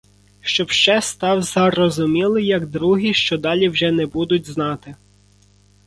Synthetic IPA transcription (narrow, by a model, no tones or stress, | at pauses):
ʃt͡ʃɔbʃt͡ʃɛst̪ɑwzɐrɔzʊmʲilˠɪjɐɡd̪ɾuɦiʃt͡ʃɔd̪ɑlʲiwʒɛnɛbud̪ʊtʲznɑt̪ɪ